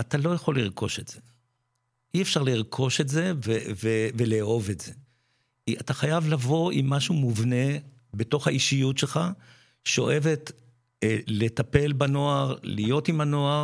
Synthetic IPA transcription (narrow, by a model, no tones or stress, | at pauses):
atalo̞jaχo̞lːiʁkʰo̞̰ʃetz̥e̞ | iefʃaʁliʁkʰo̞ʃe̞tze̞veveveleːo̞vetz̥e̞ | iataχajavlavo̞ʔimːaʃumuvne̞ | beto̞χhaiʃijutʃelχa | ʃeo̰ʔe̞ve̞t | le̞tape̞lbano̞aʁlijo̞timano̞aʁ